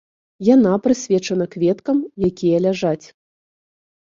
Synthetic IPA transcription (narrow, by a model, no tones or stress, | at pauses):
janapɾɨsʲvʲɛt͡ʂɐnɐkvʲɛt̪kɐmjakʲʰijɐlʲaʐat͡sʲ